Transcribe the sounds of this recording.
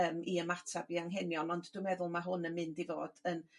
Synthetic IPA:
əːmiəmatʰabiaŋɦɛnjɔnɔndd̥ɪmɛðʊlˠmaɦʊnənmɪndivo̰ːd̥ən

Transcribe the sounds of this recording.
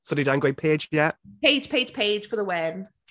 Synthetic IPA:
sodidãʊ̃ŋɡeɪ̃pʰe̥ːd͡ʒjɛʔpʰeɪd̥ʒ̥pʰeɪd̥ʒ̥pʰeɪd̥ʒ̥fəðəwɛn

